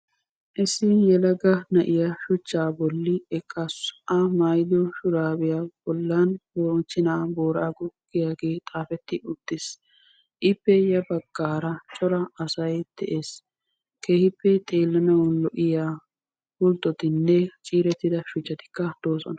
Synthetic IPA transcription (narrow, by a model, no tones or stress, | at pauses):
ʔɪsɪjɛlɐɡɐnɐʔɪjɐʃʊt͡ʃːaːbɔlːɪɛkʰʼːɐsʔɐmɐjd̪ɔʃʊɾaːbɪjab̥ɔlːanboːnt͡ʃːɪnaːboːɾaːɡʊɡ̥ɪjaːɡe̞ːt̪ʼaːfɛt̪ːɪʊd̪̥ːɪs | ʔɪpːɛjɐbɐɡ̥ːaːɾɐt͡ʃʼɔɾɐɐsɐjd̪̥ɛʔeːs | kʰeːhɪpːɛt̪ʼeːlːɐnɐwɔnlɔʔɪjaː | wʊlt̪ːɔt̪ɪnːɛt͡ʃʼiːɾɛt̪ːɪd̪ɐʃʊt͡ʃːɐt̪ɪ̥kːɐd̪̥oːsɔ̰nɐ